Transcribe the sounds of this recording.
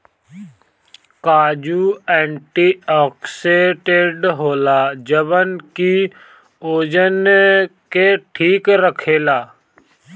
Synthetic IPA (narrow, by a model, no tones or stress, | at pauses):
kaːd͡ʒuɛ̃ːɳʈiːɔːkseːʈeːɖɦoːlad͡ʒəbənki | oːd͡ʒənkeʈʰiːkɾəkʰeːlaː